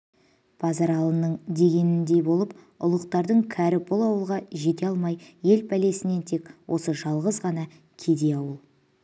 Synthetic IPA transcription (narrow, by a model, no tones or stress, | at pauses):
b̥ʰɑzɑɾɑlˠənəɴd̪e̞ɡʲe̞nɪnd̪e̞bo̞lˠəp | ʊ̰lˠəqt̪ɑɾd̪əɴkʲʰæɾɪbʊlˠɑwəlˠʁɑʒe̞t̪̬e̞ɑlˠmɑjje̞lpʰæle̞sɪne̞nt̪ʰe̞kwʔo̞̰səʒɑlˠʁəzʁɑnɑ | kʲʰe̞d̪e̞ɑwəlˠ